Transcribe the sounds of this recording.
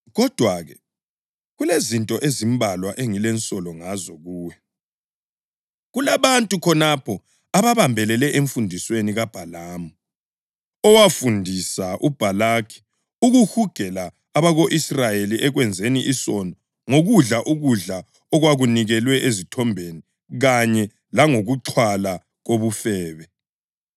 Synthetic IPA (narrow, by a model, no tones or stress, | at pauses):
ɣɔd̥ʱwaɣɛ | ɣulezintʼɔʔezimbʱalwaʔeŋilɛnt͡sʼɔlɔŋazɔɣuːwɛ | ɣulaβantʼukʰɔnapʰɔ | aβaβambʱɛlɛlɛʔeɱfundʱisweniɣab̥ʱalaːmu | ɔwafundʱisaʔub̥ʱalaːkʰi̥ | uɣuhuɡ̥ʱɛlaː | βaɣoʔisrajeliʔɛɣwɛnd͡zʱeniʔisɔnɔ | ŋoɣuɮaʔuɣuɮa | ɔɣwaɣuniɣɛlwɛʔezitʰɔmbʱeni | ɣaɲɛ | laŋoɣuǁʰwala | ɣoβufɛːβɛ